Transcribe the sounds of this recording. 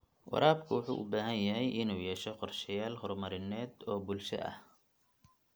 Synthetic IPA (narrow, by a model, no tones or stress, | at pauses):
wɑ̰ɾaːb̚kʰʊwʊħṵːʔʊbaːɦɐnjɐɦɛjʔɪnuːjɛːʃɔqɔrʃɛjaːlhɔrmɐɾɪnɛːd̪ɔːbulʃɐ̰ʔɐ̰h